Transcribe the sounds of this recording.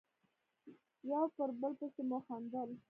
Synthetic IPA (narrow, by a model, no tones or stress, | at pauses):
jawpəɾbəlpəsemoxand̪əl